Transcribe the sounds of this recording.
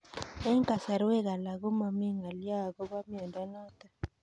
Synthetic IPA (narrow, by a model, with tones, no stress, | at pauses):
ɛ˦ŋka˨sa˨ɾwɛ˦ka˨la˨kɔ˦ma˨mi˦ŋa˨li˦a˦˨kɔ˦ba˦mi˨ɔ˨nda˦na˦tḁ˨